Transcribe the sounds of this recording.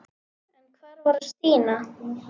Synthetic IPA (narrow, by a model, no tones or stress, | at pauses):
ɛnkʰvaːɾvɔɾast̪iːna